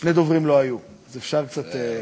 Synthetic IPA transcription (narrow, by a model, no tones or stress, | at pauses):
ʃned̪o̞vʁimlo̞aju | azefʃaʁkt͡sat̪e